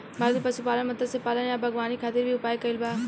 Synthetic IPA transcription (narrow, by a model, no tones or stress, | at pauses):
bʱaːɾd̪pɐsupaːlənmɐt̪əsepaːlənjabʱɐɡʋaːnikʰaːt̪ɪɾbʱiʊpaːikɐilbaː